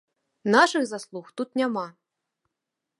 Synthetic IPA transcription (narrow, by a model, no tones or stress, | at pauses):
naʂɨxzaslˠuxt̪ut̪nʲama